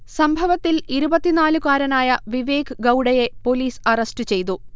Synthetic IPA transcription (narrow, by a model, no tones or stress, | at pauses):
sɐmbʱɐʋɐt̪ːiliɾubɐt̪ːinaːlukaːɾɐnaːjɐʋiʋeːkɨɡɐwɽɐje̞po̞liːsɐrɐstɨt͡ɕe̞jt̪u